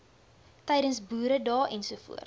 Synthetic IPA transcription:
tɛjdənsbuːɾədɑːʔɛnsuəfṵər

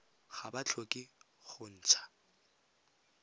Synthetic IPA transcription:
χabat͡ɬʰokʼɪ | χʊn̩ːt͡sʰḁ

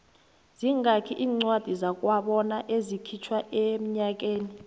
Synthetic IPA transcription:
z̥iŋakʰiʔiːŋ͡ǀwad̥ʱizak̬ʼwaɓɔnaʔezikʰit͡ʃʰwaem̩ɲak̬ʼeːni

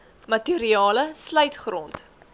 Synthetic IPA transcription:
mɐteɾiɑːləsləjtχrɔnt

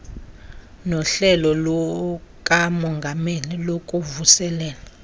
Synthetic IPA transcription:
nɔɬɛlɔlɔkʼamɔŋɡʱamelilokʼuvusɛlɛːla

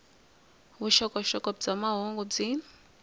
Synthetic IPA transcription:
βuʃɔkʼɔʃɔkʼɔbd͡zamaɦɔŋɡɔd͡zin

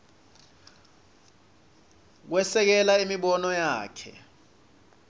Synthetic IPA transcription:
k̬wɛsɛk̬ɛlaimiɓɔnɔjaːkʰɛ̰

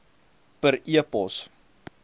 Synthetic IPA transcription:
pəɾiəpɔs

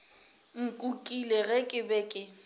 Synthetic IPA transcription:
ŋ̩kʼukʼileɣɛkʼɪbɛkʼɪ

